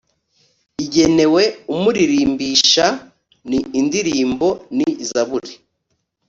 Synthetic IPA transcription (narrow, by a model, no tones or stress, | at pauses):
iɟe̞ne̞we̞umuɾiɾiːmbiʃa | niːndiɾiːmbo̞nizaβuɾi